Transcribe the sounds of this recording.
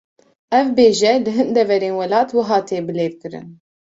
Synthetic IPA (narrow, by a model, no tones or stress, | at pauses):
ɛvbeːʒɛlɨɦɨnd̪ɛvɛɾeːnwɛlɑːt̪wɨɦɑːt̪ʰeːbɨleːd̪̚kɨɾɨ̰n